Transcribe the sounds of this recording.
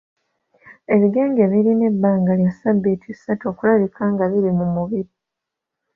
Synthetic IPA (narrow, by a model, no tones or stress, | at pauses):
e̞βiɡe̞ːŋɡeːβiɾine̞bːaːŋɡaljasabːeːtʰisato̞ːkulaβikʰaːŋɡaβiɾimumuβiɾi